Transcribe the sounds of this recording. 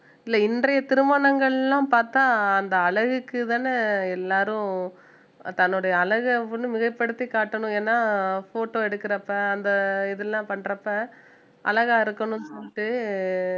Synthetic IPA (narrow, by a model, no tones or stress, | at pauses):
ɪlːɐɪndrɐjɐt̪ɪɾɯmɐnɐŋɡɐɭlãːpaːɾt̪aːɐnd̪ɐɐɭɐɣɯkːɯt̪aːnɐɛlːaːɾɯ̃ | t̪ɐnːʊɽɐjɐːɭɐɣɯɐpːɐnɯmɪɣɐpːɐɽɯt̪ːikaːʈːɐɳʊ̃eːnːaːfoːʈːoːɛɽɯkːɪɾɐpːɐɐnd̪ɐɪðɛllːãːpɐɳːɾɐpːɐ | ʔɐ̰lɐɣaːɪɾɯkːɐɳʊ̃nsɔlːɪʈːɯ